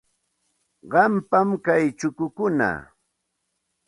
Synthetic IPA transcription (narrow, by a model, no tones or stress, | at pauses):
ɢɑmpamkajt͡ʃʊkʊkʊna̰